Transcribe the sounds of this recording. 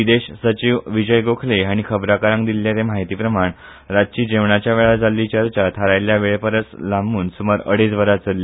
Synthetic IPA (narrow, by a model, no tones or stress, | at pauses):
ʋid̪eɕsət͡ɕiʋʋid͡ʑəjɡokʰleaɽ̃ikʰəbɾakaɾə̃ŋɡd̪ilːjat̪emaɦit̪iːpɾəmaɳ | ɾad͡ʑt͡ɕiːd͡ʑeʋɳat͡ɕjaʋeɭad͡zalːit͡ɕəɾt͡ɕat̪ʰaɾajljaʋeɭpəɾət͡slambuːnsuməɾə̰ɽed͡zʋəɾat͡səlːe